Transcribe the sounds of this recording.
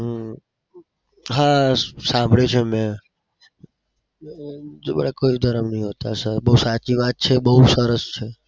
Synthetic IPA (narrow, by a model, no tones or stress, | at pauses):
ɦasãmbʱɭet͡ʃʰemẽ | d͡ʒebəɭakoid̪ʱəɾəmnəɦĩɦot̪asəbəusat͡ʃiʋat̪̚t͡ʃʰebəɦusəɾəst͡ʃʰe